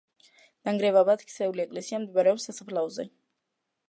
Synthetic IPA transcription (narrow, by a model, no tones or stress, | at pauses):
n̥aŋɡɾɛvabat̪kʰsɛuliɛkʼlɛsiamd̪imaɾɛɔpsasapʰlaɔzɛ̰